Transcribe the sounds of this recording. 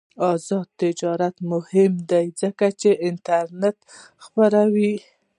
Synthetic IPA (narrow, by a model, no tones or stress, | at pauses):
ɑzɑd̪̚t̪ɪd͡ʒɑɾat̪mʊhɪmd̪ajzəkat͡ʃeʔɪnt̪aɾnet̪ | xpaɾawi